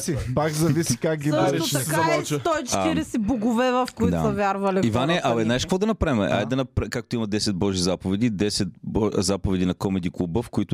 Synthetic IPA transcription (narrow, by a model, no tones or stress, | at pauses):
sipakzɐvisi̥kak̚ɡiaɾɛot̪ɐk̪ɐɔt͡ʃt̪ɔit͡ʃ̪iɾɛsɛbuɡʊvɛvɐfkʊitd̪a̰sɐvʲjaɾvɐliivanɛɛʔɐɛd̪naɛʃkvɔd̪ɐnɐpɾavmɛʔa̰jd̪ɐnɐpɾakak̚t̪oimɐd̪ɛsɛt̪̚bɔʒizapovɛd̪id̪ɛsɛt̪̚bɔzapovɛd̪inɐkɔmɛd̪iklˠubəfkʊit̪ʊ